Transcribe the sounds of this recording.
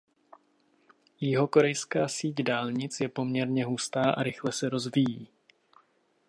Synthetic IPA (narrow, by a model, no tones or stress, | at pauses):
jɪɦo̞ko̞ɾɛjskaːsiːcdaːlɲɪt͡sjɛpo̞mɲɛɾɲɛɦust̪aːʔa̰ɾɪxlɛsɛɾo̞zvijiː